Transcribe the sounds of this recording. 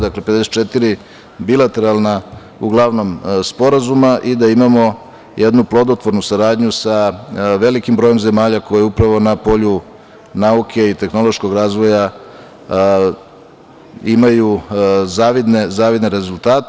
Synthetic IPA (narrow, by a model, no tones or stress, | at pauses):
d̪akle̞pe̞d̪e̞se̥t͡ʃet̪iɾi | bilat̪e̞ɾalˠna | uɡlˠaʋno̞mspo̞ɾazumaʔid̪aimamo̞ | jʔed̪nuplˠod̪ot̪ʋo̞ɾnusaɾaːd̪ɲusaʋe̞likimbɾoje̞mze̞maːʎako̞jeupɾaʋo̞napo̞ʎu | naukʰe̞it̪e̞xno̞lˠo̞ʃko̞ɡɾaːzʋo̞ja | imajuzaːʋid̪nezaːʋid̪neɾe̞zulˠt̪aːt̪